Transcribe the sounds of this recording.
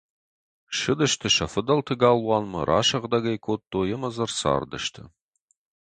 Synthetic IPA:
ʃɨd̪ɐʃt̪ʰɨʃɐfɨd̪ɐlt̪ʰɨɡaːlˠwɑːnmɐ̰rʔa̰ːʃɐʁd̪ɐɡɐjkʰot̪ːoːjɛmɐzɐrsa̰ːrd̪ɐ̰ʃt̪ʰɨ̰

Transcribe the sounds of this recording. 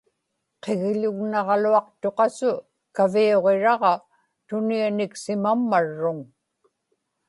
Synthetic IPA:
qeɣʎʊɣnɑʁɑluɑqt̪o̞qɑsʊ | kavioʁe̞ɻɑʁɑ | t̪ʊnianɪksɪmamːaɻːʊŋ

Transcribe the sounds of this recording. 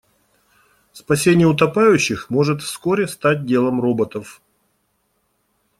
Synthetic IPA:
spɐsʲenʲɪjəʊt̪ɐpajʉɕːɪxmo̞ʐɨt̪fsko̞ɾʲɪst̪at̚ʲdʲe̞lˠəmro̞bət̪əf

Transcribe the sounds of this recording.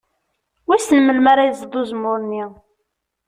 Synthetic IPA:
wisənməlmaɾajzˤd̪ˤʊzmʊɾˤnːi

